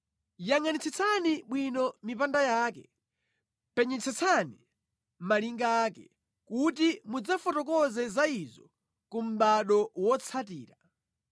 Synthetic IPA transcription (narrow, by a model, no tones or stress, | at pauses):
jaŋanit͡sʰɛt͡sʰaniɓwinɔmipandajaːkɛ | pɛɲɛt͡sʰɛt͡sʰani | maliŋɡaːkɛ | kut̬imud͡zafɔtɔkɔzɛzaizɔ | kum̩ɓaɗɔwɔt͡sʰatiːɾa